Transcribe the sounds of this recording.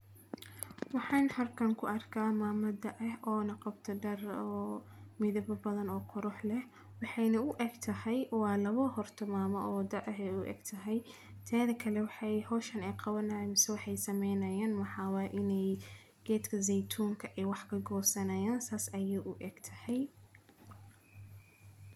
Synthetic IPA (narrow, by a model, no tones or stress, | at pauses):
wɑħɑːnhɐrkʰɐŋkʰʊʔɐrkʰaːmaːmɐd̪ɐʔɐhɔːnɐqɑbt̪ʰɐɖɐrɔː | mɪðɐbɐbɐðɐnɔːqʰʊɾʊħlɛh | wɑħɑjnɐʊʔɛːɡt̪ʰɐhɛjwɑːlɐβɔhɔrt̪ʰɔmaːmɔʔɔːwd̪ɐʔɐɦɛjʊʔɛ̰ːɡt̪ʰɐɦɛj | t̪ʰɛːðɐkʰɐlɛwɑħɑjhɔːʃɐnɛjqɑβɐnɐmɪsɛwɑħɑjsɐmɛjnɐjaːnmɐħɑːwɑːʔɪnɛj | ɡ̥ɛːd̪kʰɐzɛjt̪ʰuːŋkʰɐʔɛwɑħkʰɐɡɔːsɐnɐjaːnsaːsɐjɛːʔʊʔɛːɡ̥t̪ʰɐhɛj